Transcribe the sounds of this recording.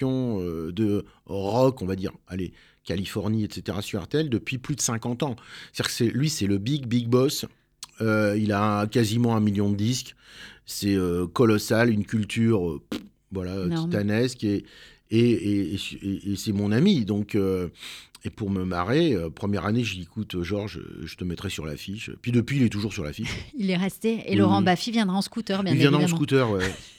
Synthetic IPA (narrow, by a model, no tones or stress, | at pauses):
ɔ̃ød̪əʁɔkɔ̃vad̪ḭʁale | kʲalifɔʁniɛt̪set̪eʁasyʁɛ̰ʁt̪eɛld̪əpɥiplyd̪əsɛ̃kɑ̃t̪ɑ̃t̪ad̪ʲikə̥sɛlɥisɛləbiɡbiɡ̚bɔs | øilakazimɑ̃ɛ̃miljɔ̃d̪əd̪isksɛøkɔlɔsalynkʲylt̪ʰyʁø | vwalaøt̪it̪anɛske | eːseːsɛmɔ̃namid̪ɔ̃kø | epuʁməma̰ʁeøpχəmjɛʁaneʒkut̪øʒɔʁʒə̰ʒət̪əmɛt̪χɛsyʁla̰fiʃø̰pɥid̪əpɥiːlɛt̪uʒuʁsyʁla̰fiʃilɛʁɛst̪eelɔʁɑ̃bafivjɛ̃d̪ʁaɑ̃skut̪œʁbjɛ̃ivjɛ̃d̪ʁãskut̪œʁwɛ